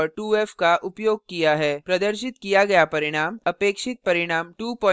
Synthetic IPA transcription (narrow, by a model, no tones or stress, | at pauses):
ʈuːɛːfkaʔʊpjoːɡ̚kijaɦɛːpɾɐd̪əɾʃ̬ɪt̪kijaɡɐjapɐɾɪɽ̃aːmɐpeːkʃɪt̪̚pɐɾɪɽ̃aːmʈuːpɔ̃ː